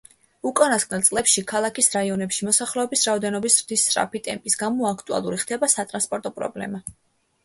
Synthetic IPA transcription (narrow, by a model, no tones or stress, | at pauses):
ukʼanasɡkʼnɛlt̪sʼlˠɛpʃikʰalˠakʰisɾaiɔnɛpʃimɔsaχlɛɔbisɾaɔd̪ɛnɔbisɾd̪isːʼɾa̰pit̪ʼɛ̰mpʼisɡamɔakʰt̪ʼua̰lˠuɾiχd̪ʰɛbasat̪ʼɾanspʼɔɾt̪ʼɔpʼɾɔ̰blɛ̰ma